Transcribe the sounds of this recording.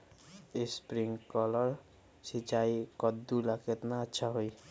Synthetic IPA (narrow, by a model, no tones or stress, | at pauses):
espɾiŋkɔlɔɾ | sit͡ʃajkɔd̪ːulakʰet̪naːtːʃʰaɦoj